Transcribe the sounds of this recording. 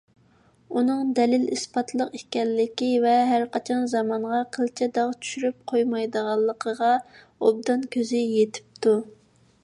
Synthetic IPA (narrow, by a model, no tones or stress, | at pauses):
unɨŋd̪ɛlɪlispɑt̪ʰlˠəqikʲɛlːɪkʲivɛɦæɾqʰɑt͡ʃʰɑnzɑmɑɴʁɑqʰəlt͡ʃʰɛd̪ɑʁt͡ʃʰy̥ʃyɾyp̚qʰojmɑjd̪əʁɑlˠːəqʰəʁɑ | ob̚d̪ɑnkʲʰøzɪjet̪ʰɪ̥p̚t̪ʰu